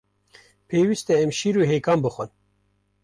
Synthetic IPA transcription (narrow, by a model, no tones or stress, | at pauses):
pʰeːwist̪ɛɛmʃiɾuːɦejkɑːmbɨxʷən